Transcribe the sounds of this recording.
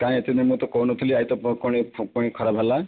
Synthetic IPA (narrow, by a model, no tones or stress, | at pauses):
kaĩet̪id̪imũt̪ɔkownɔt̪ʰiliait̪ɔpkɔɽ̃ipuɽ̃ikʰɔɾabʱala